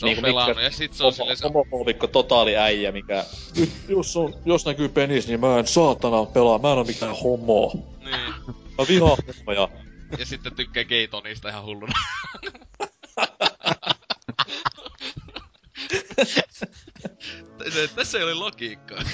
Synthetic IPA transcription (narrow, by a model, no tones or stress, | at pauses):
nniːŋkumilɑkːæujɑsit̪soosolomokoːʋikːot̪ot̪ɑˑliæijæmikænyt̪jusːonjosnækypeniˑsnimmæːensɑːt̪ːɑnɑpelɑmmæːnomik̪æːhomˑoːˑ | niːjɑʋihɑhomojɑjɑsit̪ːet̪ykːæːkeit̪oniːst̪æihɑhulːunɑ | set̪æsːeolilokiːkːɑ